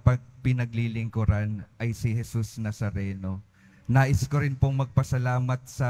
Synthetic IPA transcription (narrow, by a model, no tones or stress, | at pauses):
pɐɡ̚pɪnɐɡlilɪŋkʊɾanɐjsihɛsusnɐsɐɾɛːno̞ | naːʔɪskoɾɪnpoŋmɐɡ̚pɐsɐlaːmɐt̪̚sɐ